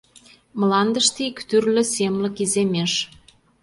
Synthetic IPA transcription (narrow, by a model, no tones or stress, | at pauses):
məlɑnd̪əʃt̪ikt̪yrlɘ̆semlə̆kizemeʃ